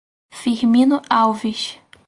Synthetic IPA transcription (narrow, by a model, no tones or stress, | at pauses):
fiɾmĩnʊawviʃ